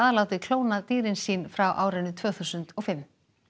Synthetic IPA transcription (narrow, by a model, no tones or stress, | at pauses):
aðalaːwt̪ɪkʰloːwnat̪iːɾɪnsiːnfɾawʔa̰ːwɾɪnʏt̪ʰv̥œːθuwsʏnt̪ɔɣfɪmː